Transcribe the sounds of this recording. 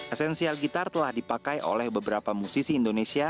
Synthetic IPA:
ʔɛsɛnsialɡit̪art̪əlahdipakajo̰lɛhbəbəɾapamusisiːndonesia

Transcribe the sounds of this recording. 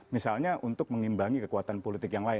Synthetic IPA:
misalɲaʔunt̪ʊk̚məŋimbaŋikəkuat̪anpolit̪ɪkjaŋlaɪ

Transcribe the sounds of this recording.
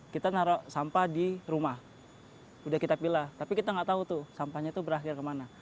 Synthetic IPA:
kit̪anaɾasampadiɾumah | udahkit̪apilat̪apikit̪aŋɡaʔt̪aut̪ʊsampaɲat̪ubəɾaxɪrkəmana

